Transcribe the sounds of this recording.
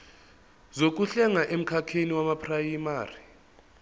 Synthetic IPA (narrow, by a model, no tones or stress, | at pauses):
zok̬uɬɛŋaʔem̩kʰakʰeniwamapʰrajimaːri